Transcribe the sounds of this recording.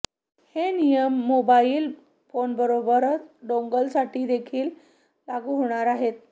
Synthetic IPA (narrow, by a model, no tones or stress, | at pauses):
henijəmːobaiːl | fonbəɾobəɾt͡sɖoŋɡəlsaʈʰiːd̪ekʰiːl | laɡuːɦoɽ̃aɾaɦet̪̚